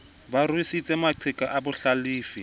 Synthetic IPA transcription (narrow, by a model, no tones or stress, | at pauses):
barisit͡sʼɛmaǃʰɪkʼaʔabʊɬaliːfi